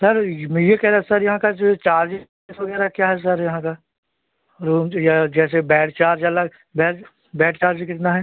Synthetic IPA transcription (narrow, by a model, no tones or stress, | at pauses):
sɐɾmɛ̃jekɛɦɾasɐɾjɐɦãkad͡ʒot͡ʃaːɾd͡ʒ | esʋɐɡɛːɾakjaːɦɛs̬ɐɾjɐɦãka | ɾuːmjad͡ʒɛːsebɛːʈt͡ʃaːɾd͡ʒɐləɡ | bɛːɾ | bɛːʈt͡ʃaːɾd͡ʒkɪt̪naɦɛː